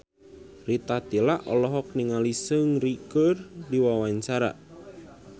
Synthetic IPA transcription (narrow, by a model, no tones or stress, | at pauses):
rit̪at̪ilaʔɔlɔɦɔk̚niŋalisəŋrikərdiwawaɲt͡ʃaɾa̰ʔ